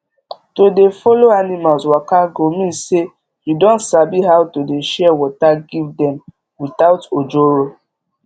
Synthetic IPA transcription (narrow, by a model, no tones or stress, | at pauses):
todefɔloanimalswakaɡomĩse | judɔ̃ntsabiɦawtodeʃɛwɔtaɡivdɛ̃m | wit̪aʊtod͡ʒoɹo